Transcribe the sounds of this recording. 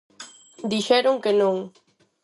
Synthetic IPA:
d̪iʃeɾʊŋkenʊŋ

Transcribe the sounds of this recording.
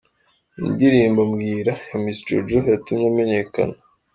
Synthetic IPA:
ḭndiɾiːmbamɡiːɾajamisd͡ʒo̰d͡ʒojatumɲamene̞ka̰na

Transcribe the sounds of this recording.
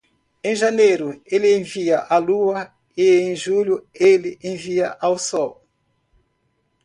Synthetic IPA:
ẽj̃ʒanejɾʊelɪẽviɐʔaluɐ | ɪẽj̃ʒulʊelɪʔẽviɐʔawsɔw

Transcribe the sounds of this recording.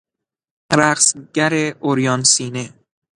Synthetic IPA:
ɾæqsɟæɾeʔoɾjɒːnsiːne

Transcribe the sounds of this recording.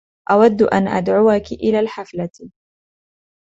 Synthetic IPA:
ʔawad̪ːʔa̰nʔa̰d̪ʕʊwakɪʔɪlaːlħafla

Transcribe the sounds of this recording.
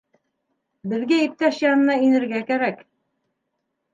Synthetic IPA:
bɘ̆ðɡæip̚t̪æʃjɑnɤ̆nɑinɘ̆ɾɡækæɾæk

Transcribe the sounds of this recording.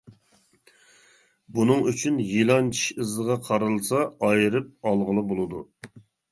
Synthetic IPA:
bunɨŋyt͡ʃʰynjilˠɑnt͡ʃʰi̥ʃɨzəʁɑqʰɑɾɨlˠsɑɑjɨɾɨp̚ɑlˠʁəlˠɨbolˠɨd̪u

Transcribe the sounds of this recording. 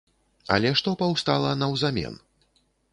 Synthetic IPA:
ɐ̰lʲɛʂt̪ɔpawst̪alˠɐnɐwzamʲɛ̰n

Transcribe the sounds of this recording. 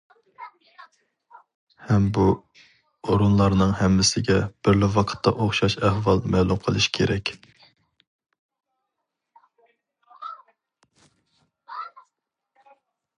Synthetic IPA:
hɛmbu | oɾunlˠɑɾnɨŋɦɛmːɪsɪɡʲɛb̥ɪɾlɪwɑqʰə̥t̪ʰːɑʔoχʃɑʃɛhvɑlˠmɛlˠumqʰəlˠɨʃi̥kʲʰeɾɛkʲ

